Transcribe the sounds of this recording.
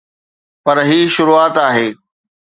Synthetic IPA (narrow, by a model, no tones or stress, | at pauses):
pɐɾɦiːʃʊɾuːaːt̪aːɦeː